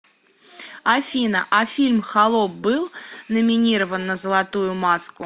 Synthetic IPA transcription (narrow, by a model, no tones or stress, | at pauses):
ɐfʲinɐʔɐfʲilʲmxalˠɔp̚bɨlˠnəmʲɪnʲiɾəvənːəzəlˠat̪ujʊmaskʊ